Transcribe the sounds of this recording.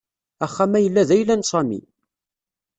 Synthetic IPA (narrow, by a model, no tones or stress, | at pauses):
æχːæmæjəlːæðæjlːænsˤɑmḭ